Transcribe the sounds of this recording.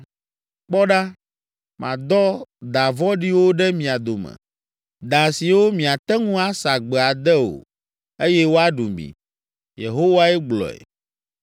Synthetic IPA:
k͡pɔ˦ɖa˦ | mʔã̰˨d̪ɔ˦d̪a˨vɔ˦ɖi˦wo˦ɖɛ˦mĩ˨a˨d̪o˨mɛ̰̃˨ | d̪a˨si˨wo˦mĩ˨a˨t̪ɛ˦ŋũ˦a˦sa˨ɡ͡bɛ˨a˨d̪ɛ˦o̰˨ | e˦jɛ˦wo˦a˦ɖu˨mbḭ˨ | je˨ɦo˦wa˦ɛ˦ɡ͡blɔ̰˨ɛ̰˨

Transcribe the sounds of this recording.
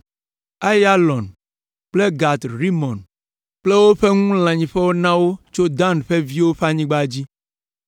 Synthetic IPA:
a˦ja˦lɔ̃˨n | k͡ple˦ɡa˨t̪ɾi˦mɔ̃˨n | k͡ple˦wo˦ɸe˦ŋũ˦l̃ã˨ɲĩ˨ɸe˦wo˦nã˦wo˦t͡ʃo˦d̪ã˦˨nɸe˦vi˦wo˦ɸa˦ɲĩ˦ɡ͡ba˦d͡ʑi˦

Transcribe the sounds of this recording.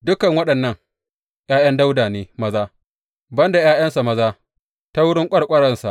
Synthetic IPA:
dʊ˦kɐ˨ŋwɐ˦ɗɐ˨nːɐ˦˨ŋ | jaː˦jɐ˦nda˦wdaː˨neː˦mɐ˦zaː˦ | bɐ˦nda˨jaː˦jɐ˦nsa˨mɐ˦zaː˦ | ta˦wʊ˦ɽɪ˦ŋkʷʼɐ˦ɽkʷʼɐ˦ɽɐ˦˨nsa˨ʔ

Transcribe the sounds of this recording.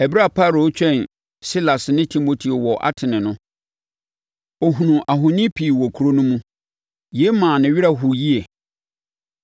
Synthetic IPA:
ɛ˨bɾa˦˨pʰa˦˨ɾo˨˦t͡ɕᶣɛ̃˦˨n | si˦la˨snɪ̃˦tʰi˨mo˨tʰi˨o˨wɔ˨ʔa̰˦tʰɪ˨nɪ̃˨nʊ̃˦ | ɔ˨ɦũ˨nũ˨ʔa˨ɦo˨nĩ˦pʰi˨wɔ˨kʰu˨ɾo˦nʊ̃˦mũ˦ | je˦mãː˨nɪ̃˨ɥi˦ɾa˦ɦu˨ji˦e˨

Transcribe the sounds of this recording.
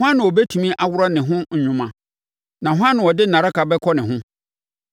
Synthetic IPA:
hʊ˦ã˦nʊ̃˨ɔ˨bɛ˦tʰu˨mĩ˦ʔa˨wʊ˦ɾɔ˦nɪ̃˨ɦʊ̃˦ɲ̩˨ɲᶣʊ̃˨mã˨ | nã˨ɦʊ˦ã˦nːɪ̃˨ɔ˨dɪ˦n̩˨nã˨ɾa˦ka˨bɛ˦kʰɔ˦nɪ̃˨ɦʊ̃˦

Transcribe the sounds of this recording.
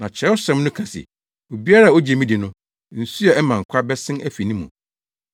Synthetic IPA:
nã˨t͡ɕʰɛ˦ʊ˦sɛ̃˦mnʊ̃˦kʰã˨sɪ̰˨ | o˨bi˦a˦ɾa˦˨o˦d͡ʑi˨e˨mĩ˦di˨nʊ̃˦ | n̩˨su˦ɛ˨ɛ˦mã˨ŋ̩˨kʷʰa˦bɛ˦sɪ̃˦næ˦fi˨nĩ˦mũ˨

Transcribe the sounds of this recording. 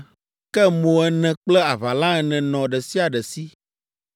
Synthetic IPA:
kɛ˦mõ˨ɛ˦nɛ̃˨k͡plɛ˦a˨va˨lã˦ɛ˨nɛ̃˨nɔ̃˨ɖɛ˨si˦a˨ɖɛ˨si˦

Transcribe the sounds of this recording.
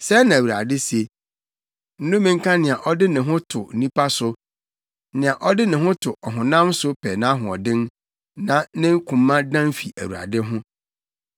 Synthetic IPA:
sɛ˦nã˨æ˨wu˨ɾa̰˨dɪ˦se˨ | n̩˦nʊ̃˦mĩ˦ŋ̩˦kʰã˦nɪ̃˨a˨ʔɔ˦dɪ˦nɪ̃˨ɦʊ̃˦tʰʊ˨n̩˨nĩ˦pʰa˦sʊ˦ | nɪ̃˨a˨ʔɔ˦dɪ˦nɪ̃˨ɦʊ̃˦tʰʊ˨ʔɔ˨ɦʊ̃˨nã˦msʊ˦pʰɛ˨nã˦ɦʊ̃˨ɔ̰˨dɪ̃˦n | nã˦nɪ̃˦kʰũ˨mːã˦dã˦mfi˨ʔæ̰˨wu˨ɾa̰˨dɪ˦ɦʊ̃˦

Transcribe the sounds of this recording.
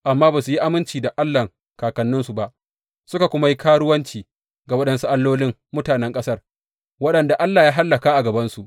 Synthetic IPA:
ʔa˨mːaː˦baː˨su˨ji˦ʔa˨mɪ˦nt͡ʃiː˨da˨ʔa˦lːa˨ŋ | kaː˨kɐ˨nːʊ˦nsu˨ba˨ʔ | sʊ˦ka˨kʷʊ˦ma˦ji˦kʰaː˦ɽʊ˦wɐ˦nt͡ʃiː˨ | ɡa˨wɐ˦ɗɐ˦nsu˦ʔa˦lːoː˦lɪ˦ŋ | mʊ˦taː˨nɛ˦ŋkʼɐ˦sɐ˦r | wɐ˦ɗɐ˨nda˨ʔa˦lːaː˨jaː˦ɦa˦lːɐ˨kaː˦ʔa˨ɡɐ˨bɐ˦nsu˨ʔ

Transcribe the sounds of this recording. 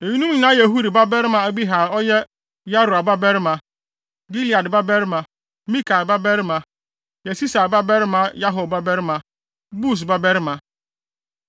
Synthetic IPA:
e˨ɲi˦nu˦i˨na˦je˨ɦu˦ɾi˨ba˦be˦ɾɪ˦ma˨e˦bi˦ɦa˨ɔ˦ɲe˦ | ja˦ɾu˨a˨ba˦be˦ɾɪ˦ma˨ | ɡi˦li˨a˨dba˦be˦ɾɪ˦ma˨ | mi˦ka˨ba˦be˦ɾɪ˦ma˨ | je˨si˦sa˨ba˦be˦ɾɪ˦ma˨ja˦ɦʊ˨ba˦be˦ɾɪ˦ma˨ | bu˦˨s̬ba˦be˦ɾɪ˦ma˨

